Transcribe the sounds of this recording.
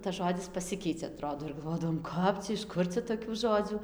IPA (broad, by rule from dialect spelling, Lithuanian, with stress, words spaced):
tɐs ˈʒoːdʲɪs pɐˈsʲɪkʲɛɪt͡sʲɛ ɐˈtroːdoː ɪr ɡɐlˠˈʋoːdɐʋoːm ˈkɐp t͡sʲɛ ɪʃ ˈkʊr t͡sʲɛ ˌtoːkʲuː ˈʒoːd͡zʲuː